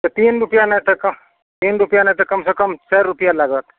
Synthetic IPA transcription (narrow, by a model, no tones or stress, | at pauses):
t̪ot̪iːnɾʊpjanet̪ekɐ | t̪iːnɾʊpjanẽt̪ekɐmsekɐmt͡ʃɛːɾʊpjalɐɡət̪